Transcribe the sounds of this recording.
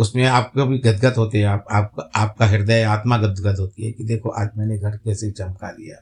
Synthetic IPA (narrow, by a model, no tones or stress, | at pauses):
ʊsmẽaːp̚kebʱiɡɐd̪ɡət̪ɦoːt̪eɦɛ̃aːpaːp̚kaːp̚kaɦɪɾd̪əjaːt̪maɡɐd̪ɡət̪ɦoːt̪iɦɛkid̪eːkʰoʔa̰ːd͡ʒmɛ̃ːneɡʱɐɾkɛːset͡ʃɐmka̰lḭja̰ː